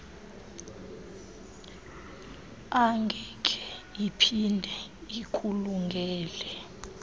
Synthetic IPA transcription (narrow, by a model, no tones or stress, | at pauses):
aŋɡʱɛkʰʼɛ̥ipʰindʱɛikʰʼuluŋɡʱɛːlɛ